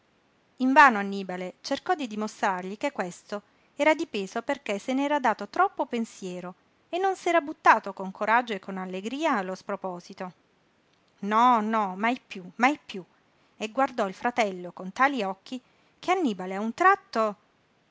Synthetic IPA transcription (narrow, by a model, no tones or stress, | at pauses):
iɱvaːnoanːiːbalet͡ʃerkɔd̪ːid̪imost̪ɾarʎikekːwest̪o | ɛːɾad̪ipeːzoperkesenɛːɾad̪aːt̪ot̪ɾɔpːopensjɛːɾo | enːonsɛːɾabut̪ːaːt̪okoŋkʰoɾad͡ʒːoekːonalːeɡɾiːaːlospɾopɔːzit̪o | nɔnɔmajpjumajpju | eɡward̪ɔilfɾat̪ɛlːokont̪aːliɔkːi | kʰeanːiːbaleaunt̪ɾat̪ːo